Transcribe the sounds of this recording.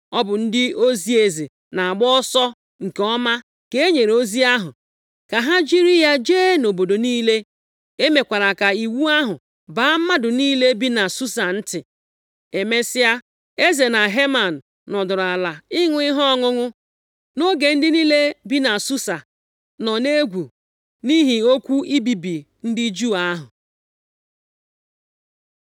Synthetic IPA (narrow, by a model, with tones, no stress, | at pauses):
ɔ˦bʊ˨n̩˦dɪ˦o˦zi˦e˨zi˨ | na˨a˨ɡ͡bɔ˦sɔ˦ | ŋ̩˨kɔ˦ma˦ | ke˨e˦ɲe˨ɾo˦zi˦a˦ɦʊ̰˨ | ka˨ɦa˦d͡ʒi˦ɾi˦ja˦d͡ʒe˦no˨bo˨do˨niː˦le˦ | e˦me˨kʷa˨ɾa˨ka˨i˨wu˦a˦ɦʊ˨ | ba˨a˦m̩˦ma˦dʊ˨niː˦le˦bi˦na˨su˦sa˨n̩˦tɪ˨ | e˨me˦sɪ˦ja˦ | e˦ze˨na˨ɦe˦ma˨n̩ː˨ɔ˨dʊ˨ɾa˨la˨ɪ˦ŋʷʊ˦ɪ˦ɦɔ˦ɔ˦ŋʊ˦ŋʊ˦ | no˦ɡe˨n̩˦dɪ˦ni˦le˦bi˦na˨su˦sa˨ | nɔ˨ne˦ɡʷu˨ | ni˦ɦi˨o˦kʷu˦i˦bi˨bi˨ | n̩˦dɪ˦d͡ʒu˦˨a˦ɦʊ˨